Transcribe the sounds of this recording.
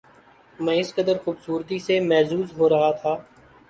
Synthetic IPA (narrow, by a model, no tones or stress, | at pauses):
mɛ̃ːɪskəd̪əɾxuːbsuːɾt̪isemɛːzuːzɦoːɾɐɦat̪ʰaː